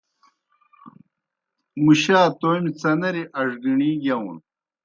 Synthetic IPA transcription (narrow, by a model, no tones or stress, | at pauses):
muɕaːt̪ojmit͡sɐnɐɾiʔɐʐɡiɳiːɡɐwṵn